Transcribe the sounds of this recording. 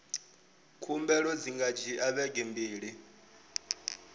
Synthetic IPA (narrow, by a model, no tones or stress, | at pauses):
kʰumbɛɺɔd͡ziŋɡad͡ʒiʔaβɛɡɛmbiːɺi